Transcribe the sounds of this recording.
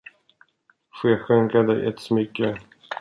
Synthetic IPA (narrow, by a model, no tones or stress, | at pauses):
ɧeːɧɵŋkad̪əʔɛt̪smʏkːə